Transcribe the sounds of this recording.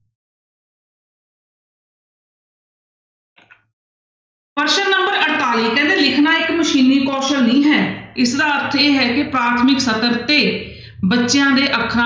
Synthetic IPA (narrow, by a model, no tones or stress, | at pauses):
pəɾʃənnəmbəɾəʈt̪aːliːkɛ̃ːnd̪eːlɪkʰnaːɪkməʃiːnːiːkɔːʃəlnĩːɦɛːɪsd̪aːəɾt̪ʰeːɦɛːkɪpɾaːt̪ʰmɪksət̪əɾt̪eː | bətːʃɪjãːd̪eːʔəkʰɾa